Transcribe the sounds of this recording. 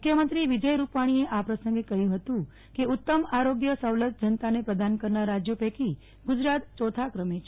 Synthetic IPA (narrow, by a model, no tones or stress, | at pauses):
mukʰjəmənt̪ɾiʋid͡ʒəjɾupaɽ̃ieʔapɾəsə̃ŋɡekəɦjũɦət̪ũ | keut̪ːəmaɾoɡjəsəwlət̪̚d͡ʒənt̪anepɾəd̪ankəɾnaɾad͡ʒjopeki | ɡud͡ʒɾat̪̚t͡ʃot̪ʰakɾəmet͡ʃʰe